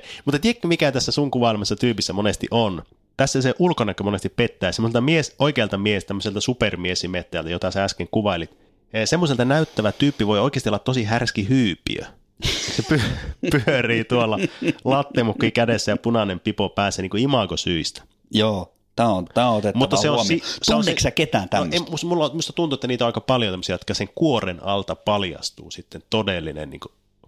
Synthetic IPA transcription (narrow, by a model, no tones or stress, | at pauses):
mut̪ːɑt̪iekːæmikæt̪æsːæsuŋkuʋɑilmɑsːɑt̪yːpisːæmonest̪ḭʔon | t̪æsːæseʔulkonɑkːømonest̪ippet̪ːæːsemːoselt̪ɑmiesoikeɑlt̪ɑmiehst̪æmːøselt̪ɑsupermiesimet̪ːæːlt̪æjot̪ɑsɑæskeŋkuʋɑilit̪ː | semːoselt̪ɑnæyt̪ːæʋæt̪yːpːiʋoioikˑest̪iolɑt̪t̪osihærskihyːpḭø̰ | sepypyøriːt̪uolːɑlɑt̪ːemukːikædesːæjɑpunɑnempipopæːseːniːŋkoimɑkosyist̪æ̥ | joː | t̪æːont̪æːot̪etmutt̪ːɑseonseonsːeksæket̪æːnt̪ænːemusmulːot̪must̪ɑt̪unt̪uet̪ːæniːt̪oɑˑikɑpɑljot̪emːosijɑjot̪kɑseŋkuorenɑlt̪ɑpɑljɑ̰st̪ṵːsit̪ːent̪odelːinḛnnḭːŋko